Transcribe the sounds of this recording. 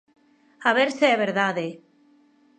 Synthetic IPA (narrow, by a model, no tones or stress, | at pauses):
aβeɾseeβeɾðaðe